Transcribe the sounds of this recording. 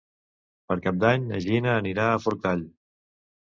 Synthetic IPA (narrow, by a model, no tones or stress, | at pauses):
pəɾkap̚d̪aɲə̰ʒinəːniɾaːfuɾk̚t̪aʎ